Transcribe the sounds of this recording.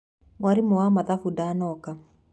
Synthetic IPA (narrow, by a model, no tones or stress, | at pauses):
mwaɾimʊwamaðafudanɔka